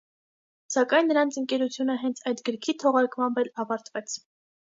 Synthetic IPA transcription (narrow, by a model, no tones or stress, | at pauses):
sɑkɑjnːəɾɑnt͡sʰəŋkɛɾut͡sʰjunəɦɛnt͡sʰɑjt̪ɡəɾkʰit̪ʰɔʁɑɾkmɑmbɛlɑvɑɾt̪vɛt͡sʰ